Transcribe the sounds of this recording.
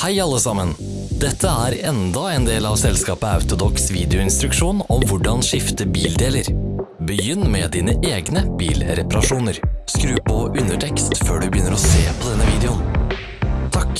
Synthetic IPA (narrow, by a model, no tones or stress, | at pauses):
hæɪɑlːəsɑmən | d̪̥ɛt̪ʰːəæːɾɛnd̪ɑɛːnd̪eːlɑːʋsɛlskɑːpəɑ̰ʉt̪ʊd̪ɔksʋiːd̪ɛʊɪnst̪ɾʉkʂuːnɔmʋʊɖɑnʂɪft̪əbiːld̪eːləɾbəjʏnːmɛd̪iːnəʔeːɡnəb̥ḭːlɾɛpɑɾɑʂuːnəɾskɾʉːpʰɔʔʉnəʈʰɛkst̪føːɖʉbəjʏnːəɾɔseːpʰɔd̪ɛnːəʋiːd̪ɛʊn | t̪ʰɑk